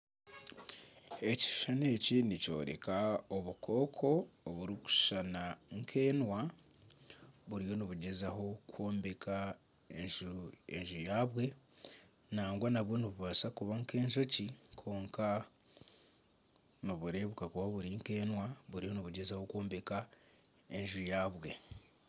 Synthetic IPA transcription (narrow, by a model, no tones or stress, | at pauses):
e̞ci̥ʃu̥ʃane̞ːcinico̞̰ːɾe̞̰kaoβukʰo̞ːkʰo̞ːβuɾiku̥ʃʃanaŋkʰe̞ːnwa | βuɾijo̞niβuɟezaho̞kwoːmbeka | eʒeɲʒujaːβwe̞ | naːŋɡwanaβwo̞niβuβasakuβaŋke̞ːɲʒo̞cikʰo̞ːŋka | niβuɾe̞βukakuβaβuɾiŋke̞ːnwaβuɾiho̞niβuɟezaho̞kwoːmbe̞ka | e̞ɲʒujaːβwe̞